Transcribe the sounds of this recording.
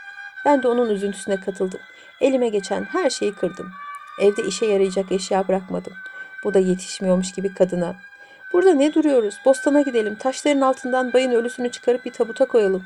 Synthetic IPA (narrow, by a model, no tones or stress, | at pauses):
b̥ænd̪ɛo̞nunyzynt̪ʰy̥synɛkʰat̪ʰɯlˠd̪ɯm | e̞lʲimɛɟe̞t͡ʃʰænɦæɾʃe̞jikʰɯɾd̪ɯmɛvd̪ɛʔiʃɛjaɾajd͡ʒakaʃjaːbɯɾakmad̪ɯmb̥ud̪aje̞t̪ʰi̥ʃmijo̞ɾmuʃɟibikʰad̪ɯna | b̥uɾd̪anɛd̪uɾujo̞ɾuz̥bo̞st̪ʰanaɟid̪e̞lʲimt̪ʰaʃlˠaɾɯnalˠt̪ʰɯnd̪anbajɯnø̞lʲysynyt͡ʃʰɯ̥kʰaɾɯp̚biɾt̪ʰabut̪ʰakʰo̞jalˠɯm